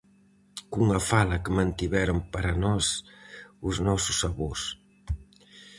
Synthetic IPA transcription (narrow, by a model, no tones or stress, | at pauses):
kuŋɐfalɐkəmãnt̪iβɛɾompaɾanɔs | ʊznɔsʊ̥saβos